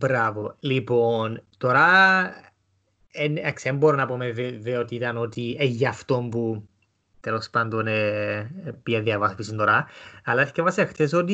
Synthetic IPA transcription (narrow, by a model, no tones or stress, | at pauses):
bɾɐvo̞lipont̪oɾɐ | enɐksemboɾonɐpomeveveot̪iit̪ɐno̞t̪ieʝɐft̪ompu | t̪elo̞spɐnd̪one | piɐðiɐvɐspisint̪oɾɐɐlːɐeskevɐsiɐxt̪esot̪i